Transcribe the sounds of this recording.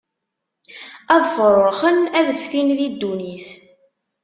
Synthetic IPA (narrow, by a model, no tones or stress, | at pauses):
ɑðˤfərˤəχənæðəfθinðid̪ːunis